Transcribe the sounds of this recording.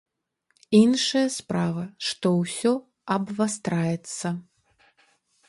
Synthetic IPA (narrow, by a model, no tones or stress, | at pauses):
inʂɐjɐspɾavɐʂt̪ɔwsʲɔ | ɐbvast̪ɾajɛt̪sːɐ